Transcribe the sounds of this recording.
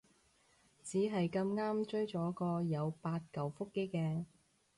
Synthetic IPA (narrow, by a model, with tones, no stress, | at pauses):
t͡siː˨˥ɦɐ˨jkɐ˧mŋaː˥mt͡ʃɵ˥ɥt͡ʃɔː˨˥kɔː˧jɐ˨˧wpaː˧t̚kɐ˨wfʊ˥kːe˥jkɛː˧